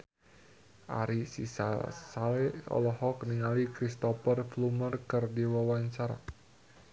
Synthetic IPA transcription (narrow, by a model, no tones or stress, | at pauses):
ʔa̰ɾisisa̰saleɔ̰lɔhɔkniŋalikɾist̪ɔpərflumərkərdiwɔwansaɾa̰